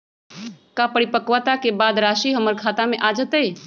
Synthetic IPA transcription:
kapəɽipəkʋət̪akebaːd̪ɾaːʃiɦəməɾkʰaːt̪amẽʔaːd͡ʒət̪e

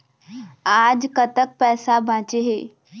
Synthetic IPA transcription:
aːd͡ʑkət̪ək̚pɛːsabʱãt͡ɕeɦeː

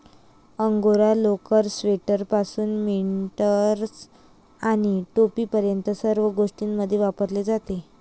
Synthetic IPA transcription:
əŋɡoɾalokəɾsʋeʈəɾpasuːnmiʈəɾs | aɽ̃iʈopiːpəɾjənt̪əsəɾʋəɡoʂʈiːnməd̪ʱːjeʋapəɾled͡zat̪e

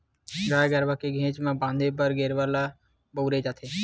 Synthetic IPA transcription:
ɡaːjɡəɾʋakeɡʱẽːt͡ʃmẽbãːnd̪ʱep̬əɾɡeːɾʋəla | bowɾed͡ʒaːt̪ʰeː

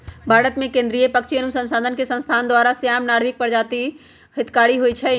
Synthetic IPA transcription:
bʱaːɾət̪mẽkẽnd̪ɾijəpəkt͡ʃʰiənusə̃nsaːd̪ʱənkesə̃nst̪ʰand̪waɾasjamnaɽ̤ʋik̚pəɾd͡ʒat̪i | hɪt̪kaɽiɦoit͡ʃʰɛ

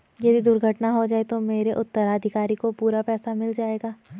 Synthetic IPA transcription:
jɐd̪ʱid̪ʊɾɡʱəʈnaɦod͡ʒaːet̪omeːɾeʔʊt̪ːəɾaːd̪ʱɪkaːɾikopuːɾapɛːsamɪld͡ʒaːeːɡaː

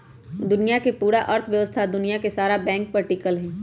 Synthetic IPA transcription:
d̪ʊnijakepuːɾaʔɐɾt̪ʰʋjɐʋəst̪ʰad̪ʊnijakesaːɾabɛ̃ːŋk̚pɐɾʈiːkəlɦɛ̃ː

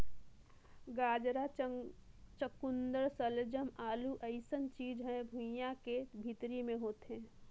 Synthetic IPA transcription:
ɡaːd͡ʒɾa | t͡ʃəkʊnd̪əɾsəld͡ʒəmaːluʔɐɪsənt͡ʃiːd͡ʒɦɛ̃bʱʊ̃jãkebʱit̪ɾimẽɦoːt̪eɦɛ̃ː

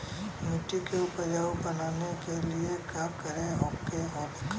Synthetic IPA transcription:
muːʈikeʊpəɾjaːbənaːnekeliekaːmkəɾẽɦɔːkkeɦɔːk

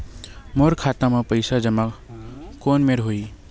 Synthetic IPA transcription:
moɾkʰat̪ãmepəɪsad͡ʒəma | koːnmeɾɦoi

